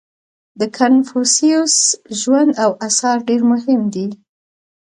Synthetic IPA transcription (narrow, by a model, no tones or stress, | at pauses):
d̪əkʰanfusiusʒwand̪awʔasɑɾɖeɾmʊɦɪmd̪i